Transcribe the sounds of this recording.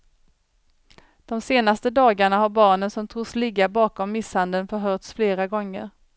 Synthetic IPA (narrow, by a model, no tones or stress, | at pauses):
d̪̥ɔmseːnast̪əd̪ɑːɡaɳaɦaɾbɑːɳənsɔmt̪ʰɾuːslɪɡabɑːkɔmːɪshand̪ənfœɾɦœːʈ̪sfleːɾaɡɔŋːə̰ɾ